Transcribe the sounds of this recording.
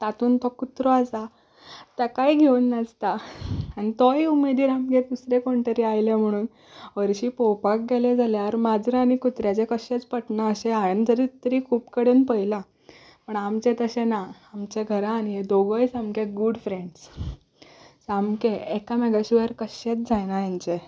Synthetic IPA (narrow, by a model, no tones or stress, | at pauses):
t̪at̪uːnt̪ɔkut̪ɾɔasa | t̪akajɡʱewnːəd͡zt̪aːñit̪ɔiumed̪iːɾamked̪usɾekoɳʈ̪əɾiajlem̤əɽ̃uːn | ʋəɾɕiːpɔwpak̚ɡeled͡zʱaleaɾmad͡zɾəañikut̪ɾjat͡sekəɕẽt͡spəʈnaəɕeajənt̪əɾit̪ːəɾiːkʰuːpkəɽenpəjla | pəɳamt͡ɕẽt̪əɕẽnaː | mt͡ɕeɡʱəɾaːniɦed̪oɡəjsamkeɡuɽfɾeɳɖs | samkeɛkamɛɡaɕuʋəɾkəɕet͡sd͡zʱajnajant͡ɕe